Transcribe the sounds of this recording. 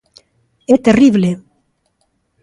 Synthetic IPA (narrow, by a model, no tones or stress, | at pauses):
et̪eriβle